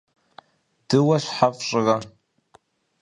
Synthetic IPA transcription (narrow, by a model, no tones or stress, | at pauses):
d̥ɨwaʃʷħapʼɕʼɨra